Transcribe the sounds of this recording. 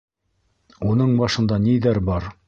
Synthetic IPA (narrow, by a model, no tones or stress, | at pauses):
unɤɴbɑʃɤ̆nd̪ɑniðæɾbɑɾ